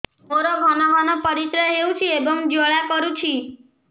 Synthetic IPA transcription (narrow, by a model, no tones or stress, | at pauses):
oɾoɡʱɔnɔɦɔnɔpəɾit̪ɾəɦeũt͡ʃʰiebɔŋd͡ʒoɭakɔɾut͡ʃʰi